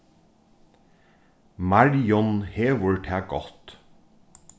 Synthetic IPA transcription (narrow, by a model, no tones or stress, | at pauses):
mɑɹjɔnheːʋʊɹʈʰæːɡɔt̪